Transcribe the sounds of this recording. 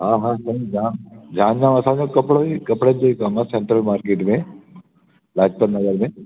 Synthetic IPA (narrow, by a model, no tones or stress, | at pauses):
ɦãːɦãsɐid͡ʒãːmd͡ʒãːnd͡ʒaːmɐsãːd͡ʒokɐpɽoikɐpɽəd͡ʒoikamãseɳʈɾəlmaːɾkeːʈmẽ | laːɡ̚t̪ɐnnɐɡəɾmẽ